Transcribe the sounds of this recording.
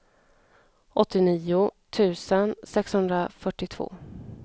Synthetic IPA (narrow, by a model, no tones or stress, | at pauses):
ɔt̪ːɪniːʊt̪ʰʉ̟ːsənsɛkshɵnd̪ɾafœʈːɪt̪ʰv̥o̰ː